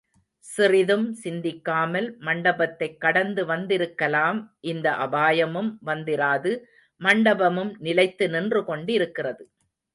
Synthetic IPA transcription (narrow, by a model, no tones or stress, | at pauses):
sɪrɪðɯmsɪnd̪ɪkːaːmɐlmɐɳɖɐbɐt̪ːɐɪkːɐɽɐnd̪ɯʋɐnd̪ɪɾɯkːɐlaːmʔɪnd̪ɐʔɐbaːjɐmɯmʋɐnd̪ɪɾaːðɯ | mɐɳɖɐbɐmɯmnɪlɐɪt̪ːɯnɪndrɯkɔɳɖɪɾɯkːɪrɐðɯ